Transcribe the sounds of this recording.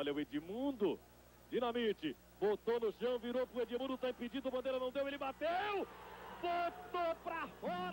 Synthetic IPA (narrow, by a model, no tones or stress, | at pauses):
ɔlɐwed͡ʒimũd̪ʊ | d͡ʒinɐmit͡ʃɪ | bot̪onʊʃɐ̃w̃viɾopɾʊed͡ʒimũd̪ʊt̪aĩpid͡ʒĩd̪ʊmɐ̃d̪ejɾɐnɐ̃w̃d̪ewelɪbat̪ewbot̪opɾafɔɾ